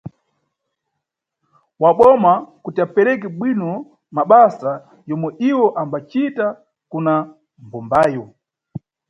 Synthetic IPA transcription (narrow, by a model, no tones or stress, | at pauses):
waɓɔmakutiapɛɾɛk̬ɛɓwinɔ | maɓasa | jɔmwɛʔiwɔʔambat͡ʃita | kuna | mbɔmbaːjɔ